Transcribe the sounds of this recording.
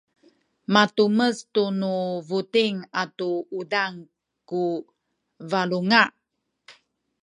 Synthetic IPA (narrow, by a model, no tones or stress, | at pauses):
matuməstunuvutiŋatuudaŋ | ku | valuŋa